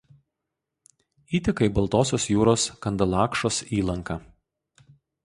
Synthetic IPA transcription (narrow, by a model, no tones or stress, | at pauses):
iːt̪ʲɪkɐɪbɐlˠˑt̪oːsʲoːsjuːɾoːskɐnd̪ɐlˠɑːkʃoːsiːlˠɐŋkɐ